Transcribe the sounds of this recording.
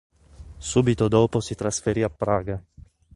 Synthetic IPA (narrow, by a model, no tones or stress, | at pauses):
suːbit̪od̪oːposit̪ɾasfeɾiapːɾaːɡa